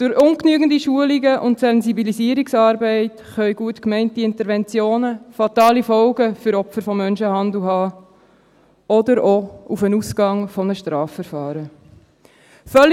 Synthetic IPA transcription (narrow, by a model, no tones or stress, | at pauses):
d̥ʊɾʊŋknyːɡn̩diʃuəliɡəʔʊntsɛnzibilisiːəɾiksɑːɾbɛɪt | χœʏɡuətkmɛɪntiɪntəɾvɛnt͡sjoːnəfɑt̪ɑːlifɔlɡəfʏɾɔpfəɾfɔmːœnʃəhɑnd̪l̩ɦɑː | ɔdəɾɔufənuskɑŋfɔnəʃtɾɑːfːəɾfɑːɾə | fœl